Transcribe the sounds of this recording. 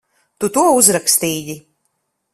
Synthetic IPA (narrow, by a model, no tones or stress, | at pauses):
t̪ut̪uɔuzɾakst̪iːɟi